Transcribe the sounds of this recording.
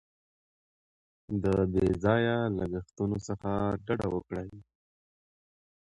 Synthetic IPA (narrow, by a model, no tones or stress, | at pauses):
d̪əbezɑjalaɡaxt̪unosəxaɖaɖawəkɽaj